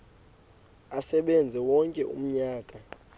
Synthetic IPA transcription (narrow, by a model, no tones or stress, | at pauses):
asɛɓɛnd͡zʱɛwɔŋkʼɛʔṵm̩ɲaːkʼa